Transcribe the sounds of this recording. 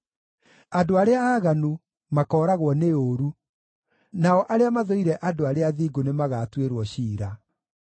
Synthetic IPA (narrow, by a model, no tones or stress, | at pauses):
adoaɾeaaːɣanu | makɔːɾaɣwɔneoɾu | naɔʔaɾeamaðoiɾɛʔadoaɾeaðiːɡonemaɣaːtweɾwɔɕiːɾa